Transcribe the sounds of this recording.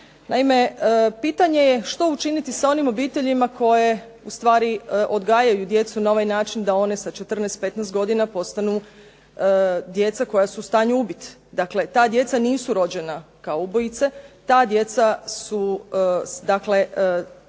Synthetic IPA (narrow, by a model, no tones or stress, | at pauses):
naime̞əpiːt̪aɲe̞je̞ʃt̪o̞ut͡ʃinit̪isao̞nimo̞biːt̪e̞ʎimakʰo̞je̞ | ust̪ʋaːɾiʔo̞d̪ɡaːjajud̪je̞t̪sunao̞ʋajnaːt͡ʃind̪ao̞ne̞sat͡ʃe̞t̪r̩nejst̪̚pe̞t̪nɛst̪̚ɡo̞d̪inapo̞st̪anu | d̪je̞t̪sako̞jasuːst̪aːɲuubit̪d̪akle̞t̪aːd̪je̞t̪saniːsuɾo̞d͡ʑe̞na | kaoubo̞jit̪se̞t̪aːd̪je̞t̪sasu | d̪akle̞